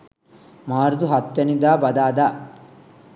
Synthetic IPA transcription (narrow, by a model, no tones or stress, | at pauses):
maːɾd̪uɦɐt̪ːɐnid̪aːbɐd̪aːd̪aː